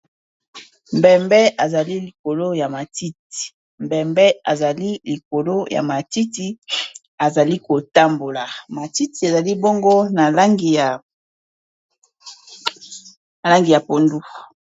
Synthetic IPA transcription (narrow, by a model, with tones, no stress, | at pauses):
mbɛ˨mbɛ˦ʔa˨za˨li˦li˨ko˨lo˦ja˨ma˨ti˦ti̥˨ | mbɛ˨mbɛ˦a˨za˨li˦li˨ko˨lo˦ja̰˨ma˨ti˦ti˦ | a˨za˨li˦ko˨ta˦mbo˨la˨ma˨ti˦ti˨a˨za˨li˦bo˦ŋɡo˦na˨la˦ŋɡi˨ja˨ | na˨la˦ŋɡi˨ja˨po˨ndu˦